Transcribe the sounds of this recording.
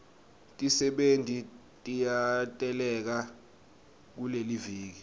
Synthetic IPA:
tʼisɛɓentʼi | tʼijatʼɛlɛk̬a | k̬uleliviːk̬i

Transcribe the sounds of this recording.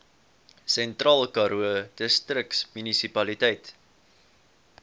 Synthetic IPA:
sɛntrɑːlˠkɐɾuəd̥əstrəksmynisipɐlitɛjt

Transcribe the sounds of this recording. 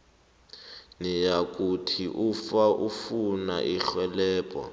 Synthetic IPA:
nijak̬ʼutʰiʔufaʔufuna̰ʔiɬwɛlɛːpʼɔ̰

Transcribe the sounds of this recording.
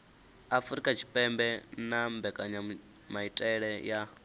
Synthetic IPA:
afɾikʼat͡ʃʰi̥pʼɛmbɛnambɛkʼaɲa | maitʼɛɺɛja

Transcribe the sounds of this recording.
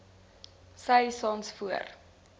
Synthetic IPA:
sɐjsɑːnsfuə̰r

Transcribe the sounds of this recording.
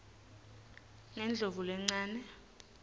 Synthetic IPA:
ŋɛnd͡ɮʱovulɛŋ͡ǀaːnɛ

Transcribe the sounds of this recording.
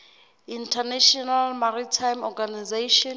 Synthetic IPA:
intʰanɛʃɔnalmaɾitʰajmɔɡanizeʃɔ

